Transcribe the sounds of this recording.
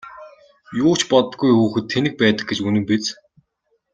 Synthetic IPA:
jʊːt͡ɕpɔt̪ə̆ɡujxuːxɘ̆t̪ʰːenɘ̆k̚pæːt̪ə̥̆k̚ɡet͡ɕunɘ̆mpet͡s

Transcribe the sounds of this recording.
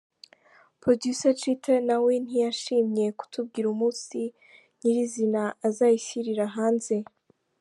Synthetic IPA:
pɾodjusat͡ʃitʰenawe̞n̥ijaʃiːmɲe̞ku̥tʰub̚ɡiːɾumuːsi | n̥iɾizinaʔazaːjisiɾiɾaɦaːnze̞

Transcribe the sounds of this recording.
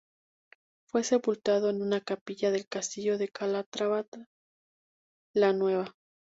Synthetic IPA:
fwe̞se̞pult̪aðo̞enunakapiʝaðe̞lkast̪iʝo̞ðekalat̪ɾaβat̪a | lanwe̞βa

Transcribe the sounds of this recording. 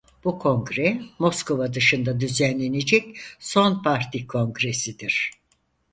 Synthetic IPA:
b̥ukʰo̞ŋɡɾɛmo̞skʰo̞vad̪ɯʃɯnd̪ad̪yzænlːʲe̞ne̞d͡ʒɛcso̞npʰaɾt̪ʰikʰo̞ŋɡɾe̞sid̪iɾ̥

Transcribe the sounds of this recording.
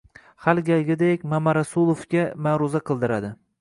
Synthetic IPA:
halˠɡʲalɡʲɪd̪ekʲmamaɾasʊlˠofɡʲamaɾʊzaqʰɨlˠd̪ɪɾad̪ɪ

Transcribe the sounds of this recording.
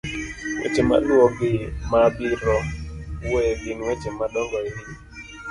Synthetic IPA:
wḛt͡ʃema̰lwoɡɪmabiɾɔwoebinwet͡ʃemadɔŋɡɔeni

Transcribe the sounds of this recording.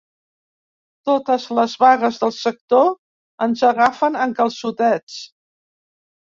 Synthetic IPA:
t̪ot̪əzləzβaɣəzðəlˠsək̚t̪o | ənzəɣafənəŋkəlˠsut̪ɛt͡s

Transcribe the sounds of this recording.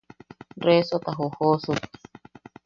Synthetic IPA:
resot̪aɦohosu

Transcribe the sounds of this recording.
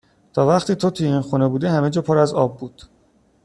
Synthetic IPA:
t̪ʰɒːvæχt̪iːt̪ʰot̪ʰuinxunebuːd̪ehæmed͡ʒɒːpʰoːɾæzɒ̰ːbːuːd̪̥

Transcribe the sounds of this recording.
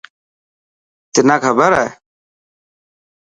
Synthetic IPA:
t̪ɪnãːkʰəbəɾɛː

